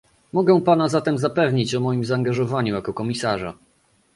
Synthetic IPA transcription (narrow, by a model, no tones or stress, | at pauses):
mɔɡɛw̃panazat̪ɛmzapɛvɲit͡ɕɔmɔjimzaːŋɡaʐɔvaɲujakɔkɔmʲisaʐa̰